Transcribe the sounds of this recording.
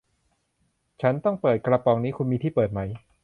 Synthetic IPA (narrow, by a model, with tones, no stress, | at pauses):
t͡ɕʰa˦˥nt̪ɔ˥˩ŋpɤː˨˩t̪̚kɾa˧pɔː˧ŋniː˦˥kʰu˧nmiː˧t̪ʰiː˥˩pɤː˨˩t̪̚ma˦˥j